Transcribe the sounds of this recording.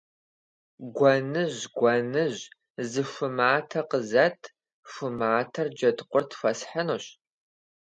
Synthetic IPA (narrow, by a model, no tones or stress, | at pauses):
ɡʷɐnɨʑɡʷɐnɨʑ | zɨʂʷʊmaːtʰɐqəzɐtʰ | ʂʷʊmaːtʰɐrd͡ʒɐtqʷʊrtʰfɐsħanoɕ